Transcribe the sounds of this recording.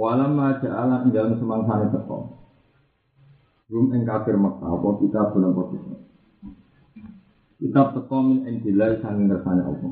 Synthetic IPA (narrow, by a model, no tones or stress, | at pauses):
walaməlad̥ʒ̥a̤ʔalaəŋd͡ʒaləmsəmaŋsanet̪ək̪ɔ̰ | ɾʊmɪŋkab̥ɪrmək̚t̪a̰pɔkit̪ab̥ṳnɔŋpɔt̪ik | kit̪ap̚t̪ək̪ɔmɪnʔɪnd̪̥ilaisaŋɡɪŋt̪ərsana̰ʔɔ̰pɔ